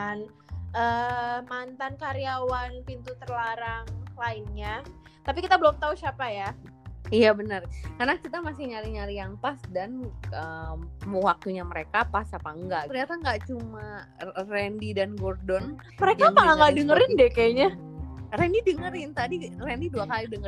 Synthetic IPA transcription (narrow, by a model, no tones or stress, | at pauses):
an | ʔəmant̪ankaɾiawanpint̪ut̪ərlaɾaŋlaɪnɲa | t̪apikit̪abəlɔmt̪ausiapaja | ijabənərkarnakit̪amasɪhɲaɾiɲaɾijaŋpasdanəmuwak̚t̪uɲaməɾekapasapaəŋɡaʔərɲat̪aŋɡat͡ʃumarɛndidanɡɔrdɔn | məɾekapaŋaŋɡaʔdəŋəɾɪndɛkaɲarɛndidəŋəɾɪnt̪adirɛndiduakalidəŋə